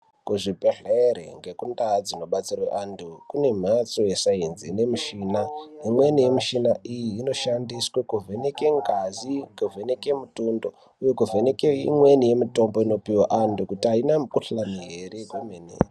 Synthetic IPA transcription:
kuʐipeɮeɾḛŋɡe̞kundad͡zino̞ɓat͡sirweʔandʰukune̞m̤at͡so̞jesainzine̞muʃiːnaimwenije̞miʃinaʔijiːno̞ʃandiswekuvʱeneke̞ŋɡaziŋɡuvʱeneke̞mutundo | ujokuvʱenekeḭmwe̞nije̞mito̞mbo̞ino̞piwaʔandukutiainamkuɬamiɦeɾekwumenḛ

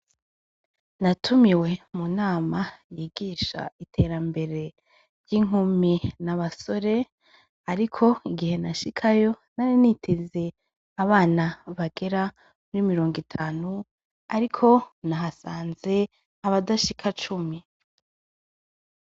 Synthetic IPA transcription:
natʰumiwe̞munaːmajiːɡiːʃa̰itʰe̞ɾambe̞ɾe̞ | ɾjiŋ̥uminaβaso̞ɾe̞ | aɾikʰo̞iɡihe̞naʃikʰajo̞ | naninitʰeze̞ | aβaːnaβaɡe̞ɾa | muɾimiɾo̞ːŋɡitʰaːnu | aɾikʰo̞naɦasaːnze̞ | aβadaʃikʰat͡ʃumi

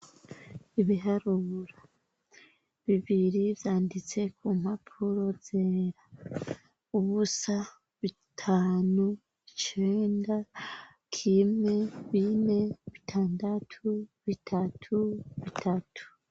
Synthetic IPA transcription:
iβiɦaɾuɾa | βiβiɾivjaːndit͡se̞kʰuːm̥hapʰuɾo̞z̥eɾa | uβusa | βi | tʰaːnu | βit͡ʃe̞ːnda | kʰimŋe̞βine̞βitʰaːndatʰuβitʰatʰuβitʰatʰu̥

